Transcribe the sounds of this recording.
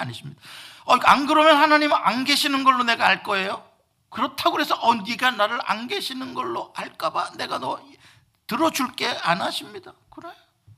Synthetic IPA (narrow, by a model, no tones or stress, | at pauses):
aɲiɕʰimɲid̥aʌkaŋɡɯɾomjʌnhanaɲimɯʔanɡeɕʰinɯnɡʌɭːone̞ɡaaɭk͈ʌe̞jo | kɯɾʌtʰaɡoɾe̞sʰʌʔʌnɡiɡanːaɾɯɾa̰nɡeɕʰinɯnɡʌɭːoaɭk͈abane̞ɡanʌ | tɯɾʌd͡ʑuɭk͈e̞anaɕʰimɲidakɯɾejo